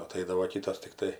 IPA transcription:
ɐˈtɐɪdɐʋoː ˈkʲiːtɐs tʲɪkˈtɐɪ

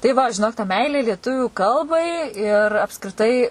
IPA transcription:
tɐɪ ˈʋɐ ʒʲɪˈnoːk tɐ ˈmʲɛɪlʲeː lʲiɛˈtʊʋʲuː ˈkɐlˠbɐɪ ɪr ɐpskrʲɪˈtɐɪ

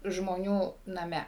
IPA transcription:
ʒmoːˈnʲuː nɐˈmʲɛ

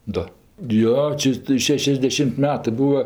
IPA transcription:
ˈdoː ˈjoː ˈt͡ʃʲɛ tɜ ˈʃʲæːʃʲɛzʲdʲɛʃʲɪmʲtʲ ˈmʲæːtɜ ˈbuːɐ

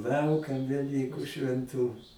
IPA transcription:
ˈlˠɐʊkɐm ʋʲɛˈlʲiːkʊ ʃʲʋʲɛnˈtʊ

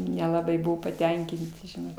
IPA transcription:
nʲɛlˠɐˈbɐɪ ˈbʊʋoː pɐˈtʲɛŋʲkʲɪnʲtʲɪ ʒʲɪˈnɐʊ

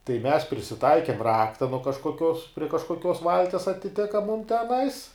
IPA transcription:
tɐɪ mʲɛs pʲrʲɪsʲɪˈtɐɪkʲeːm ˈrɑːktɐ nuɔ kɐʃkoːˈkʲoːs pʲrʲiɛ kɐʃkoːˈkʲoːs ˈʋɐlʲtʲiɛs ɐtʲɪˈtʲɪkɐ mʊm tʲɛˈnɐɪs

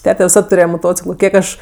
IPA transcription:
ˈtʲæːtʲɛ ʋʲɪˈsɐt tʊˈrʲeːjɛ moːˈtoːt͡sʲɪklˠoː ˈkʲiɛk ɐʃ

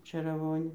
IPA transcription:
t͡ʃʲeːrɐˈʋoːnʲeː

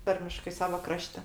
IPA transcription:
ˈtɐrʲmʲɪʃkɐɪ ˈsɑːʋɐ ˈkrɑːʃʲtʲɛ

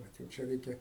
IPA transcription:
ˈʋɐt jɛʊ ˈt͡ʃʲɛ ˈrʲɛɪkʲɛ

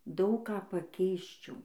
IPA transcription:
ˈdɐʊk ˈkɑː pɐˈkʲɛɪsʲt͡ʃʲɛʊ

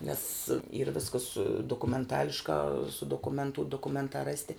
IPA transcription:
nʲɛs iːr ˈʋʲɪskɐs doːkʊmʲɛnˈtɑːlʲɪʃkɑː sʊ doːkʊˈmʲɛntuː doːkʊˈmʲɛntɑː ˈrɑːsʲtʲɪ

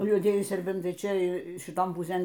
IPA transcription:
juɔˈdʲiɛjɪ sʲɛrʲˈbʲɛntɐɪ ˈt͡ʃʲɛ ʃʲɪˈtoːn pʊˈsʲeːn

